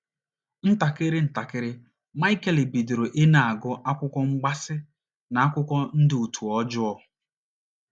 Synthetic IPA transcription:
n̩˦ta˨kɪ˦ɾɪ˦n̩˨ta˨kɪ˦ɾɪ˦ | ma˦ɪ˦ke˨le˨bi˨do˨ɾo˨ʔɪ˦na˨a˨ɡʊ˦ʔa˦kʷʊ˦kɔ˦ŋ͡m̩˦ɡ͡ba˦sɪ˦ | na˨a˦kʷʊ˦kɔ˦n̩˦dɪ˨u˨tʰu˨ɔ˦d͡ʒʊ˦ɔ˦

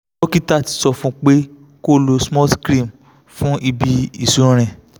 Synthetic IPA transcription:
o˦ki˦ta˦˨ti̥˨˧˦sɔ˧fũ˦k͡pe˦ | ko˦lo˧smɔ˦skɾĩ˦˨m | fũ˦ʔi˧bi˧i˦˨sũ˨˦˨ɾ̃ɛ̃˨

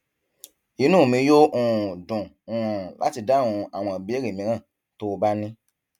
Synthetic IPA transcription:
i˦nũ˦˨mĩ˧jo˦ʔũ˦˨dũ˨ | ũ˨ã˨la̰˦ti˧da˦˨ũ˧a̰˨w̃ɔ̃˧˨bi˨˦e˦ɾi˨mĩ˧ɾ̃ã˦˨ | to˦˧ba˦nĩ˦

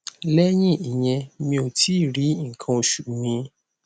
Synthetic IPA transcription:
lɛ˦j̃ĩ˦i˨j̃ɛ̃˧mĩ˧o˨tʰi˨˦˨ɾi˨˦ŋ̩˨kʰã˧o˨ʃu˨mĩ˧

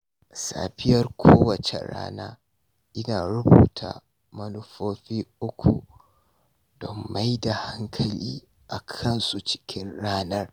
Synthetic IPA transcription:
sa̰ː˨ɸɪ˦jɐ˦rkʷʰoː˦wɐ˨t͡ʃḛ˨ɽa̰ː˦naː˦ | ʔɪ˦naː˨ɾʊ˦buː˨tʰa̰˨ | mɐ˦nʊ˦ɸoː˦ɸiː˦ʔʊ˦kʷʰu˨ | d̥ɔ˨mːa˦jda˨ha˦ŋkʰɐ˨liː˦ | ʔa˨kʰɐ˦nsu˦t͡ʃɪ̥˦kʲɪ˦nɽaː˦nɐ˦r

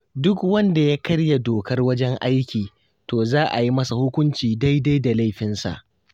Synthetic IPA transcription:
dʊ˦kwɐ˦nda˨ja˦kɐ˦ɽja˨doː˨kɐ˦rwɐ˦d͡ʒɛ˦ŋʔa˦jkʲiː˨ | toː˨zaː˦ʔa˨ji˦mɐ˦sa˨hʊ˦kʷʊ˦nt͡ʃiː˨da˦jda˦jda˨la˦jɸɪ˦nsa̰˨ʔ

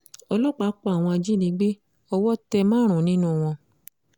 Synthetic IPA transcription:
ɔ˧lɔ˦˨k͡pa˨˦k͡pɔ˦a˨w̃ɔ̃˧a˧d͡ʒi˦nĩ˧˦ɡ͡be˦ | ɔ˧wɔ˦tɛ˧mãː˦ɾ̃ũ˨nĩ˦nũ˦˨w̃ɔ̃˧

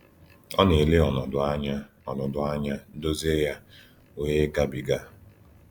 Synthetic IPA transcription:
ɔ˦ne˨le˦ɔ˨nɔ˨dʊ˨a˦ɲa˦ | ɔ˨nɔ˨dʊ˨a˦ɲa˦n̩˦do˦ze˦ja˦ | o˦ɲe˦ɡa˦bi˨ɡa˦

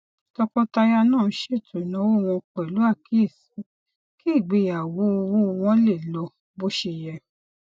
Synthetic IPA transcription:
tɔ˧kɔ˧ta˧ja˧nã˦˨˦ʃe˦˨tʰũ˨nã˨˦wo˦˨w̃ɔ̃˧k͡pɛ˨lu˨˦a˦˨ki˦i˦˨si˨˦ | ki˦i˦˨ɡ͡be˧˨ja˨wo˨˦o˧wõ˦˧w̃ɔ̃˦le˦˨lɔ˧ | bo˦ʃe˧jɛ˧

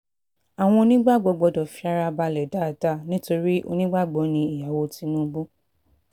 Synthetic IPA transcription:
a˨w̃ɔ̃˧˦nĩ˦ɡ͡ba˦˨ɡ͡bɔ˨˦ɡ͡bɔ˨˧˦dɔ˨fi˧˦a˧ɾa˧ba˧lɛ˨da˦˨da˦˨nĩ˦to˧ɾi˦ʔo̰˧nĩ˦ɡ͡ba˦˨ɡ͡bɔ˨˦nĩ˧i˨ja˨wo˧˦ti˧˦nũ˦˧bu˦

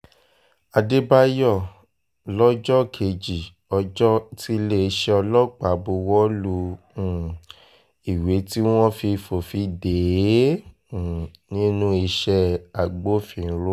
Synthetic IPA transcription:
a˧de˦ba˦jɔ˦˨ | lɔ˦d͡ʒɔ˦kʰe˨˧d͡ʒi˨ | ɔ˧d͡ʒɔ˦ti˦le˦˧ʃɛ˧ɔ˧lɔ˦˨k͡pa˨bu˧˦wɔ˦lũ˧˨ | i˨we˨˦ti˦w̃ɔ̃˦fi˧fo˨fi˧de˨˦˨ | nĩ˦nũ˦i˧ʃɛ˦a˨ɡ͡bo˦fĩ˨˦ɾo˦

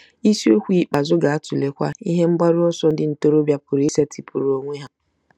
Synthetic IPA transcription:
i˦si˦o˦kʷi˦˨k͡pa˨zʊ˦ɡa˨a˦tʊ˨le˨kʷa̰˦i˦ɦe˦ŋ͡m̩˦ɡ͡ba˦ɾʊ˦ɔ˦sɔ˦n̩˦dɪ˦n̩˨to˦ɾo˦bja˦pʊ˨ɾe˦se˦tʰi˨pʊ˨ɾo˨ŋʷe˦ɦa˦

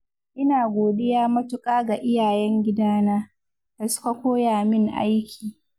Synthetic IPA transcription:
ʔɪ˦naː˨ɡʷoː˨ɗɪ˦jaː˦mɐ˦tʊ˦kʼaː˦ɡa˨ʔɪ˦jaː˨jɛ˦ŋɡʲɪ˦daː˦naː˦ | d̥a˨sʊ̥˦ka˨kʷoː˦jaː˨mɪ˦ŋʔa̰˦jkʲʰiː˨

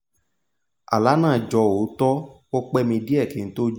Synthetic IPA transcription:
a̰˨la˨˦nã˦˨d͡ʒɔ˧o˨˦tɔ˦ | o˦k͡pɛ˦mĩ˧di˦ɛ˦˨kĩ˨n̩˦to˦d͡ʒ

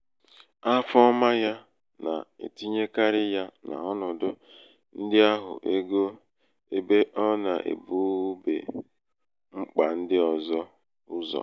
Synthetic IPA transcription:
a˦fɔ˦ma˦ja˦ | na̰˨ḛ˨ti˦ɲe˦ka˦ɾɪ˦ja˦na̰˨ɔ˦nɔ˨dʊ˦ | n̩˦dɪ˦a˦ɦʊ̰˨ʔe˦ɡo˦ | e˦be˦ʔɔ˦na˨ʔḛ˨bu˦bḛ˨ | ŋ͡m̩˦k͡pa˨n̩˦dɪ˦ɔ˨zɔ˦ | ʊ˦zɔ̰˨

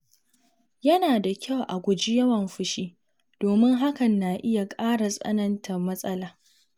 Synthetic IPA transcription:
jɐ˦naː˨da˨kʲʰa˦˨wʔa˨ɡʷʊ˨d͡ʒi˦jɐ˦wɐ˨mɸʊ˦ʃiː˦ | d̥oː˨mɪ˦ŋɦa˦kɐ˨nːa˨ʔɪ˦ja˨kʼaː˦ɽa˨sʼɐ̰˦nɐ˦ntʰɐ˨mɐ˦sʼɐ˦laː˨

